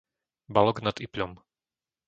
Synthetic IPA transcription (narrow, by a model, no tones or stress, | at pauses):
balɔɡnad̪ipʎɔm